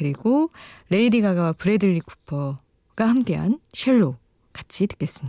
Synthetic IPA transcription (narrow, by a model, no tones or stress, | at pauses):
kɯɾiɡoɾe̞idiɡaɡawapuɾe̞dɯʎːiku̥pʰʌ | ɡ̥ahamk͈e̞ɦa̰nɕʰeɭːo | kat͡ɕʰitɯ̥k͈e̞s͈ɯmɲia